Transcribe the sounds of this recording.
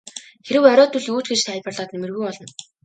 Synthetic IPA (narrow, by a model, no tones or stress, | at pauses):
xeɾɘ̆wœɾʲɔːt̪ɵɮuːt͡ɕɡet͡ɕt̪ʰæːɮʲpərɮaːt̪nemɘ̆rɣujpɔɮɞ̆n